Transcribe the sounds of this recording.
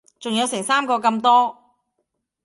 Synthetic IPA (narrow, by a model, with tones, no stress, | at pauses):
t͡sʊ˨ŋjɐ˨˧wsɛ˨˩ŋsaː˥mkɔː˧kɐ˧mt̪ɔː˥